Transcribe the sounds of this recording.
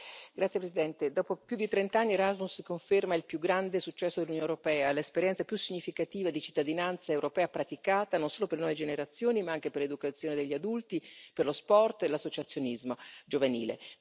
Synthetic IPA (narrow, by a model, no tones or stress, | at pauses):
ɡ̥ɾat̪sjepɾesid̪ɛnt̪ed̪ɔːpopjud̪it̪ɾɛnt̪aanːieɾazmusikoɱfermailpjuɡɾand̪esut͡ʃːɛsːod̪elunjonewɾopɛːalespeɾjɛnsapjusːiɲːifikat̪iːvad̪it͡ʃi̥t̪ːad̪inant̪saewɾopɛːapɾat̪ikaːt̪anonsoːloperlnɔved͡ʒeneɾat̪sːjoːnimaaŋk̟eperled̪ukat̪sːjoːned̪eʎːiad̪ult̪iperlospɔrt̪elasːot͡ʃat̪sːjonizmod͡ʒovanḭːlḛ